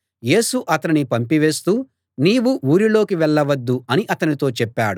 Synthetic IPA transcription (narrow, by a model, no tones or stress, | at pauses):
je̞ːsuʔɐt̪ɐninipɐmpiʋe̞ːst̪uː | niːʋuʔuːɾilo̞ːkiʋɛɭːɐʋɐd̪ːuɐniʔɐt̪ɐnit̪o̞ːt͡ʃɛpːaːɽu